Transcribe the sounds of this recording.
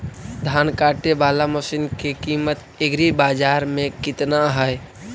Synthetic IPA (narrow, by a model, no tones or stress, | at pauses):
d̪ʱaːnkaːʈebaːlaməʃinkekiːmət̪ | eɡɾibaːd͡ʒaːɾmẽkɪt̪naɦɛe